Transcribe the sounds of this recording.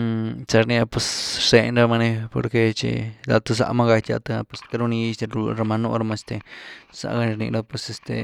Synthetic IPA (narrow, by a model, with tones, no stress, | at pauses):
t͡ʃa˧ɾni˧a˧pwe˧sʂe˧nɾa˧ma˧ne˧po̰˧ɾke˧t͡ʃḭ˧la̰˧t̪a˧s̬a̰˧ʔma˧ɡa˧jt͡ʃ̪a̰˧ʔt̪a˧pwe˧ska˧ɾu˧ni˧st̪e˧ɾɾa˧ma˧no̰˧ɾa˧ma˧st̪e˧sa̰˧ʔɡa˧ni˧ɾnḭ˧lo˦pwe˧se˧st̪ḛ˧